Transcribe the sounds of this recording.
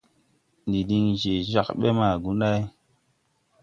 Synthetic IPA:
ndi˨di˧ŋʒe˨d͡ʒa˨kɓe˦ma˨ɡu˨˦nɗa˦j

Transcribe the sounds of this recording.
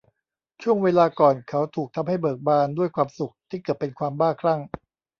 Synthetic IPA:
t͡ɕʰu˥˩əŋweː˧laː˧kɔː˨˩nkʰa˦˥wt̪ʰuː˨˩k̚t̪ʰa˧mha˥˩jbɤː˨˩k̚baː˧ndu˥˩əjkʰwaː˧msu˨˩k̚t̪ʰiː˥˩kɤː˨˩t̪̚ːpe˧nkʰwaː˧mbaː˥˩kʰɾa˥˩ŋ

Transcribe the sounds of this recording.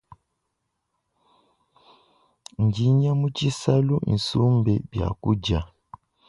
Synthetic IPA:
ɲ˨d͡ʒi˨˦ɲa˦mu˦t͡ʃi˦sa˦lu˦ʔḭ˨n˨su˦mbɛ˨bja̰˨ku˦d͡ʒa˨

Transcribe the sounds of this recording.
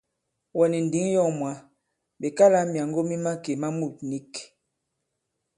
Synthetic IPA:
wɔ˨ni˨n˨di˨˦ŋ˦jɔ˦˨mwa˨˦ | be˨ka˦la˦mja˨ŋɡo˦mi˦ma˦ke˨ma˦mu˦˨t̚ni˦k

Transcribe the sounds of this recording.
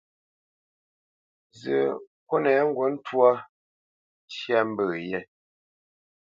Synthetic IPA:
zə˨ | kwɔ˦nɛ˨˦ŋ̩˦ɡwɔ˨˦n̩˦twa˦ | t͡ʃja˦m̩˦bə˨jɛ˦˨

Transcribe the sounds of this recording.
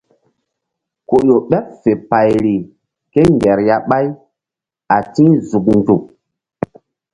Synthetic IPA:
ko˨jo˨ɓɛ˦p̚fe˨pa˨jɾi˨ | ke˦ŋɡɛ˨ɾja˦ɓa˦j | a˨tĩ˦zu˨k̚ndu˨k̚

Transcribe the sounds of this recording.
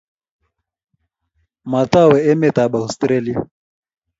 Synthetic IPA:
ma˨ta˦˨wɛ˨ɛ˦mɛ˨ta˨ɓa˨u˨stɾɛ˦li˦a˨

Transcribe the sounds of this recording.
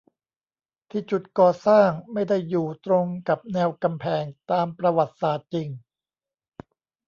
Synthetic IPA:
t̪ʰiː˥˩t͡ɕu˨˩t̪̚kɔː˨˩saː˥˩ŋma˥˩jda˥˩jːuː˨˩t̪ɾo˧ŋka˨˩p̚nɛː˧wka˧mpʰɛː˧ŋt̪aː˧mpɾa˧wa˨˩t̪̚saː˨˩t̪̚t͡ɕi˧ŋ

